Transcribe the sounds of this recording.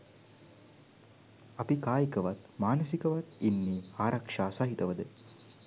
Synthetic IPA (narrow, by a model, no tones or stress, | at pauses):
ɐpikaːjikɐʋat̪maːnɐsikɐʋat̪inːiːaːɾɐkʂaːsɐɦit̪ɐʋəd̪ə